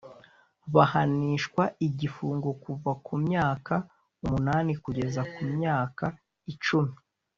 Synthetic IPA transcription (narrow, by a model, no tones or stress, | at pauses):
βahaniːʃkwaiɟifuːŋɡo̞kuvakumɲaːka | umunaːnikuɟe̞zakumɲaːka | it͡ʃumi